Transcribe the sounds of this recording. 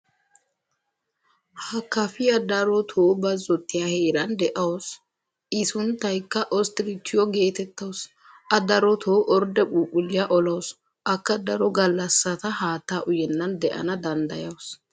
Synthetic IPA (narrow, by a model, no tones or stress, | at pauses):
hɐkːɐfɪjɐd̪ɐɾɔt̪ʰoːbɐzːɔt̪ːɪjaheːɾɐnd̪ɛʔɐws | ʔɪsʊnt̪ːɐjkːɐʔɔst̪ɪɾɪt̪ʰːɪjɔɡe̞ːt̪ɛt̪ːɐws | ɐd̪ɐɾɔt̪ʰoːʔɔɾd̪ɛɓʼuːpʼːʊlɪjaʔɔlɐws | ʔɐkːɐd̪ɐɾɔɡɐlːɐsːɐt̪ɐhaːt̪ːaːʔʊjɛnːɐnd̪ɛʔɐ̰nɐd̪ɐnd̪ɐ̰jɐws